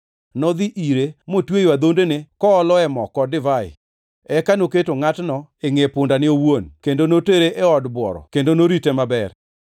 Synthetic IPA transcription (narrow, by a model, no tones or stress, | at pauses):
nɔd̪iʔiɾemotwejwad̪ondenekɔːlɔɛmɔkɔdɪvaɪ̰ | ɛkanoketoŋatnɔeŋepʊndanɪowwonkendonoteɾeʔeɔdbwɔ̰ɾɔ̰kendonoɾitemabɛr